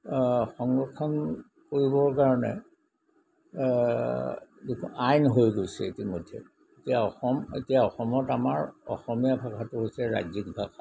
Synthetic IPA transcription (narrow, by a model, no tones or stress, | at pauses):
xɔŋɡɹɔkʰːɔn | koɹibɔɹkaɹɔnɛ̰ | dukʰajnɦojɡojsɛ̰etimodʱːɛ̰ | etijaɔxɔmḛtijaɔxɔmɔtamaɹɔ̰xɔmijabʱakʰatʊɦojsɛɹa̰zik̚bʱakʰa